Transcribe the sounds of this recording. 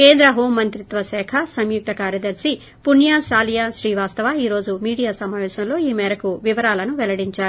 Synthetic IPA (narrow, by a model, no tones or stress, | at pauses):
keːnd̪ɾɐɦoːmːɐnt̪ɾit̪ʋɐsɛːkʰɐsɐmjuk̚t̪ɐkaːɾjɐd̪ɐɾsi | punjaːʃaːlijaʃɾiːʋaːst̪ɐʋaːiːɾo̞ːd͡ʒumiːɽijaːsɐmaːʋɛːʃɐmlo̞ːiːmɛːɾɐkuʋiʋɐɾaːlɐnuʋɛlɐɽiɲt͡ʃaːɾuu